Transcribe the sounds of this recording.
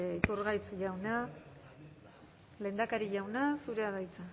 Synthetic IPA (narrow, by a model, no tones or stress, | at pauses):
it̪uɾɣajt͡sʎawna | le̞nd̪akaɾiʎawnasuɾeaðajt͡sa